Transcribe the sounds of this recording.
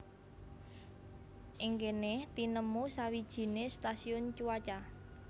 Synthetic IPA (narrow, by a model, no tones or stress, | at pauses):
ʔɪŋkeneht̪inəmusawid̥ʒ̥i̤nest̪asiʊnt͡ʃuwat͡ʃa